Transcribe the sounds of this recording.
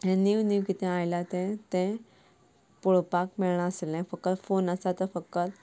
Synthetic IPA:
ɦɛ̃niʋniʋkit̪ʰɛ̃ajlat̪ɛ̃t̪ɛ̃ | puɭpakmɛɭɳ̃aəselːɛ̃fəkːət̪fonəsat̪əɾfəkːət̪

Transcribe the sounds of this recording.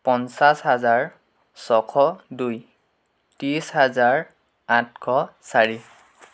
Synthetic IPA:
pɔnsashazaɹ | sɔkʰɔduj | tiisɦhazaɹ | atkʰɔsaɹi

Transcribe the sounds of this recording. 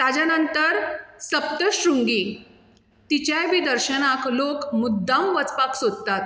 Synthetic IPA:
t̪ad͡ʑjanənt̪əɾsəp̚t̪əɕɾuŋɡi | t̪it͡ɕjajʋid̪əɾɕənaklokmud̪ːãmʋət͡spaksod̪̚t̪at̪

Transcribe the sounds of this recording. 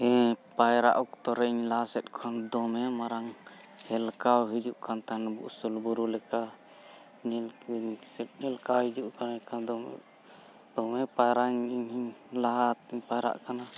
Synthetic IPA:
ɛpajɾa̰ʔukt̪ɔɾɛiɲlasɛt̪̚kʰɔnd̪ɔmɛmaɾaŋ | hɛlkawɦid͡ʒuʔkʰant̪anbṵʔsulbuɾulɛka | ɲɛsɛt̚ɛlkawɦid͡ʒuʔkanɛkad̪ɔ̰ | d̪̥ɔmɛpajɾaɲiɲiɲlat̪iɲpajɾa̰ʔkana

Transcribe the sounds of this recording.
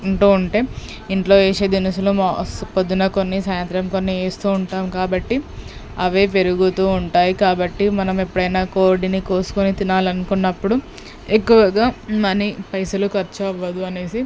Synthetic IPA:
ɳʈuːuɳʈe̞ː | iɳʈlo̞ːeːseːd̪inisulumaspod̪ːunɐkonːisaːjɐnt̪ɾɐmko̞nːieːst̪uːuɳʈaːmkaːbɐʈːi | ɐʋe̞ːp̬e̞ɾuɡut̪uːuɳʈaːjikaːbɐʈːimɐnɐmepːuɽɐjnaːko̞ːɾɖiniko̞ːsu̥konit̪inaːlɐnukunːɐpːuɽu | ekːuʋɐɡaːmɐnipɐjsɐlukɐɾt͡ʃuɐʋːɐd̪uɐne̞ːsi

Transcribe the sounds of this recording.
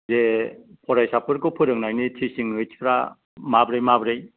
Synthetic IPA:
zepʰɔɾajsapɯɾkɯpʰɯɾɯŋnajnitʰisiŋɯjtpʰɾa̰ | mabɾejmabɾej

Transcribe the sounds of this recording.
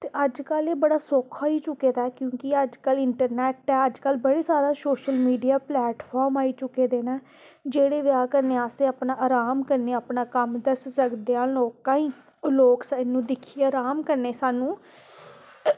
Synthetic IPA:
t̪eːəd͡ʒkəleːbəɽaːsoːkʰaːiːt͡ʃʊkːeːd̪aːkjõːkɪəd͡ʒkəlɪɳʈəɾnɛːʈɛːəd͡ʒkəlbəɽeːsaːɾaːsoːʃəlmiːɖijaːplɛːʈpʰɔːɾmaːiːt͡ʃʊkːeːd̪eːnaː | d͡ʒeːɽeːʋjaːkəɾneːaːseəpnaːʔaːɾaːmkəɾneːapnaːkəmd̪əssəkd̪eãːloːkãːĩː | loːksaɪnːũːd̪ɪkʰiːeaɾaːmkəɾneːsaːnũː

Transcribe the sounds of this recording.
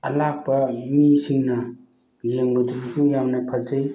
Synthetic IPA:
ɐlak̚bɐmisiŋnɐ | jeŋbud̪ɾisujamnɐpʰɐzɐj

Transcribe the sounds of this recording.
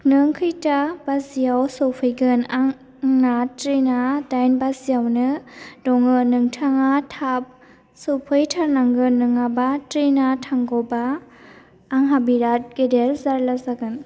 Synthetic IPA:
nɯŋkʰɯjtabazijawsɔwpʰɯjɡɯnaŋ | ŋnatɾinadajnbazijawnɯdɔŋɯnɯŋtʰaŋatʰap̚ | sowpʰɯjtʰaɾnaŋɡɯnːɯŋabatɾinatʰaŋɡɔbaː | ŋɦabiɾat̚ɡ̥edelzaɾlazaɡɯn

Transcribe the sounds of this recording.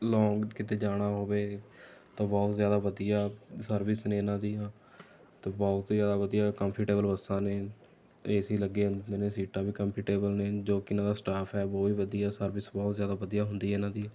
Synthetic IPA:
lɔ̃ːŋɡkɪt̪eːd͡ʒaːɽ̃aːɦoːʋeːt̪ãːbɔːt̪zjaːd̪aːʋəd̪ijaːsəɾʋɪsnẽːɪnãːd̪iːãː | t̪ãːbɔːt̪zjaːd̪aːʋəd̪ijaːkəmpʰɪʈeːbəlbəsãːneː | eːsiːləɡːeːɦʊnd̪eːneːsiːʈaːbiːkəmpʰɪʈeːbəlneːd͡ʒoːkɪnãːd̪aːsʈaːpʰɛːbɔːiːʋəd̪iːɛːsəɾbɪsbɔːt̪zjaːd̪aːʋəd̪ijaːɦʊnd̪iːɛɪnãːd̪iːɛː

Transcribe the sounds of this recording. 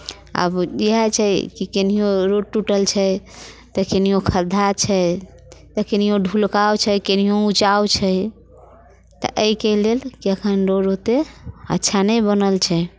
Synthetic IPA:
ə̰bjɛɦɛt͡ʃʰɛjkikenijoɾoʈuʈəlt͡ʃʰɛ | t̪əkenijokʰəd̪ʱat͡ʃʰɛ | t̪əkenijõɖʱulkaot͡ʃʰɛjkenijout͡ʃawt͡ʃʰɛj | t̪ɔ̰ʔəikelelkiəkʰənɾoɾot̪eə̰tːʃʰanəjbənəlt͡ʃʰɛ

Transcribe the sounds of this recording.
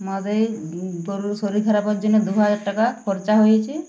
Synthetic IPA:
mɔd̪ejboɾsoɾik̪ʰaɾapɔɾd͡ʒuned̪uɦad͡ʒaɾʈakapʰɔɾt͡ʃaɦojt͡ʃʰi

